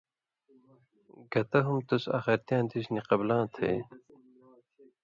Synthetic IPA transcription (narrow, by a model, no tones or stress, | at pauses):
ɡɐt̪ɐɦumt̪usa̰xeɾt̪jãːnd̪isniqɐblãːt̪ʰḛː